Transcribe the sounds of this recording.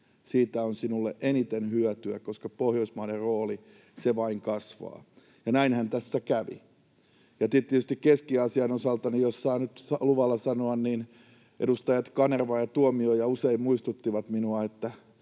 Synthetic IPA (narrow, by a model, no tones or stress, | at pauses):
siːt̪æonsinulːḛʔenit̪enhyœt̪yæ̰koskɑpohjoismɑiɾerroːli | seʋɑiŋkɑsʋɑ̰ː | jɑnæinhænt̪æsːækæʋḭ | jɑt̪it̪ːˑiet̪yst̪ikkeskiɑsiɑnosɑlt̪ɑnijjossɑːnyt̪sɑluʋɑlːɑsɑnoɑnniːn | ʔḛɾust̪ɑjɑt̪kɑnerʋɑːjɑt̪uomiojɑuseimmuist̪ut̪ːiʋɑt̪minuɑet̪ːæ